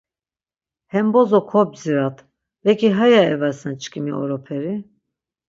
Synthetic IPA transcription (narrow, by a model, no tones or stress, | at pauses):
hɛmbɔzɔkʰɔbziɾat̪ʰ | vɛkʰiɦajaɛvasnɛt͡ʃkʰʼimḭʔɔ̰ɾɔpʰɛɾi